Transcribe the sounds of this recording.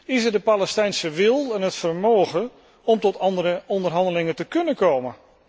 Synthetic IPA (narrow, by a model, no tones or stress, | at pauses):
ɪsədəpaləstɛjnsəʋɪlˠɛnɦətfərmoːɣə | ɔmtɔtʰɑndəɾəɔndərɦɑndəlɪŋətəkɵnəkoːmən